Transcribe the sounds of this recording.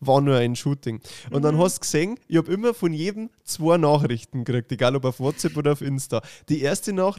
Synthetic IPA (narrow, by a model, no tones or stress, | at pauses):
vɑːɐnuːɐaɪnʃuːtɪŋʊntd̥ɑnɦɑstkseːŋʔɪçhɑːbɪmɐfɔnjeːdm̩t͡sv̥oːɐnɑːxrɪçtn̩ɡɾɪk̚teɡaːlobaʊfwɔtt͡sɛpʔoːdɐaʊfɪnstaːd̥iːeːɐstənɑː